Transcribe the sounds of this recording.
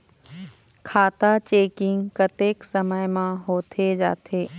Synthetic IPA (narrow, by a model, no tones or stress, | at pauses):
kʰaːt̪at͡ʃeːkɪ̃ŋɡkət̪eːksəməjmãɦoːt̪ʰed͡ʒa̰ːt̪ʰeː